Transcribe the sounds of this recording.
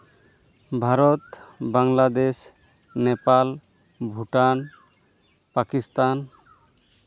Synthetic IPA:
bʱaɾɔt̪baŋlad̪es | nɛpal | bʱuʈan | pakist̪an

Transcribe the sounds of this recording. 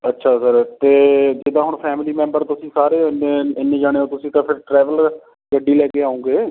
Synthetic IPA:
ətːʃʰaːsəɾt̪eːd͡ʒeːd̪ãːɦʊɳpʰɛːmɪliːmɛ̃ːmbəɾt̪ʊsĩːsaːɾeːneːɪnːẽːd͡ʒaːɽ̃eːoːt̪ʊsĩːt̪ãpʰɪɾʈɾɛːʋəl | ɡəɖːiːlɛːkeːaːũːŋɡeː

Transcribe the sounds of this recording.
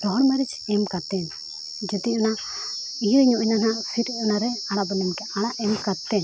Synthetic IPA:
dɔɦɔɽmaɾit͡ʃɛmkat̪ɛn | d͡ʒɛt̪ina | ijɲɔʔinanaʔsiɾnaɾɛaɽ̃abɔnɛmkɛʔaɽ̃aʔɛmkat̪ɛn

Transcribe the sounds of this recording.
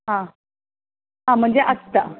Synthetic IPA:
ɦã | ɦãm̤əɳd͡zeʔəst̪a

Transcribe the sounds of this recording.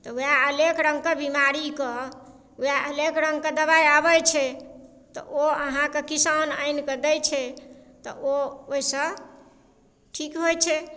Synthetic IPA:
t̪ɔujaəlekɾə̃ŋɡkebimaɾikɔ | ujaʔəlekɾəŋɡked̪əbajabət͡ʃʰɛ | t̪ɔ̰ʔoəɦãkekisana̰jnkəd̪ɛjt͡ʃʰɛt̪ɔ̰ʔooisə̃ | ʈʰikɦojt͡ʃʰɛ

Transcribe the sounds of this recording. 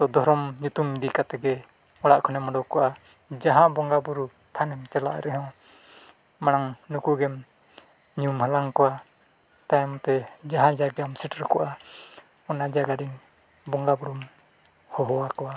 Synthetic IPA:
d̪ɔd̪ɔɾɔmɲut̪umd̪ikat̪ɛɡɛ | ɔɽaʔkʰɔnɛmɔɖɔkɔʔa | d͡ʒaɦãʔbɔŋɡabuɾu | t̪ʰanɛmt͡ʃɛla̰ʔɾɛɦɔ̃ | maɽaŋnukuɡɛm | ɲumhalaŋkɔwa | t̪ajmɔt̪ɛd͡ʒaɦãd͡ʒaɡamsɛʈɾkɔʔa | ɔnad͡ʒaɡaɾiŋ | bɔŋɡabuɾum | hɔɦɔwakɔwa

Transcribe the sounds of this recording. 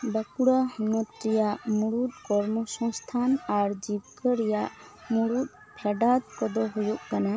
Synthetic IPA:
bakuɽahɔnɔt̪̚ɾɛjaʔmuɽut̪̚kɔɾmɔsɔ̃ŋst̪ʰanaɾd͡ʒib̚kəɾɛjaʔmuɽut̪̚ | pʰɛɖat̪̚kɔd̪ɔɦujuʔkana

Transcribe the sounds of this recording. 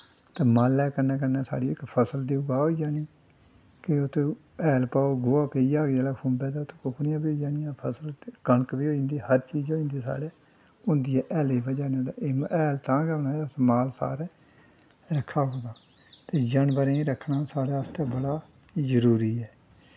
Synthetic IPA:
t̪eːmaːlɛːkəɾnɛːk̬ənɛːsa̰ːɽiːɪkpʰəsəld̪iːʊɡaːɦoːiːd͡ʒaːniː | keʊt̪ʰẽː | ɛːlpaːoːɡʊaːpeiːaːɡd͡ʒɛːlaːkʰʊ̃mbɛːd̪aːʊt̪ʰẽ̥ːkʊkʰɳɪjãːbiːod͡ʒaːnɪjãːpʰəsəlkəɳəkbiːɦoːĩnd̪iːhəɾt͡ʃiːd͡ʒoːĩnd̪eːsa̰ːɽeː | ʊnd̪ijɛːʔɛːleːbəd͡ʒaːniãːd̪aːeːmɛːlt̪ãːɡɛːnaːeɾaːsmaːlsa̰ːɾɛː | ɾəkʰːaːɦoːɡ̪aː | t̪eːd͡ʒəɳbəɾẽɾəkʰnaːsaːɽeːəst̪eːbəɽaː | zəɾuːɾiːɛː

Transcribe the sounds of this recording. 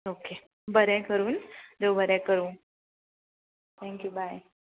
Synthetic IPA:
oke | bəɾɛ̃kəɾuːnd̪ewbəɾɛ̃kəɾũː | t̪ʰɛ̃ŋkjubaj

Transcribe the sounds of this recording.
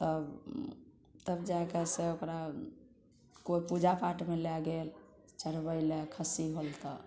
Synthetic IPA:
t̪əb | t̪əbd͡ʒajkɛseokɾa | koipud͡ʒapaʈmelɛɡel | t͡ʃəɽbəɪlekʰəsiɦolt̪ə

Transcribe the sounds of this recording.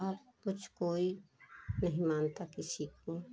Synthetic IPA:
aːp̚ | kʊt͡ʃʰkoːinɐɦĩmaːnt̪akɪsiko

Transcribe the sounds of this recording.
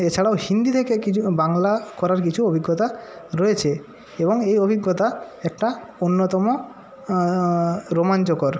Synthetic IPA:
et͡ɕʰaɽaohind̪it̪ʰekekiubaŋlakɔɾaɾkit͡ɕʰuobʱiɡːot̪aɾojet͡ɕʰe | eboŋejobʱiɡːot̪aɛk̚ʈaonːot̪ɔmo | ɾomant͡ɕokoɾ

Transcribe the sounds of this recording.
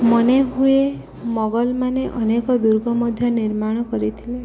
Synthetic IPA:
mɔneɦue | mɔɡɔlmaneʔɔnekɔd̪uɾɡʱɔmɔd̪ʱjɔniɾmaɽ̃kɔɾit̪ʰile

